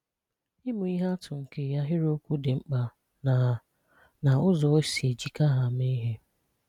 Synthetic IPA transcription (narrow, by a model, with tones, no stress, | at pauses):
ɪ˦mʊ˨i˦ɦa˦tʊ˨ŋ̩˨ke˨ja˦ɦɪ˦ɾo˦kʷu˦dɪ˨ŋ͡m̩˦k͡pa˨ | n˨ | na˨ʊ˦zɔ˨˦si˨e˨d͡ʒi˨ka˦ɦa˨me˦i˦ɦe˦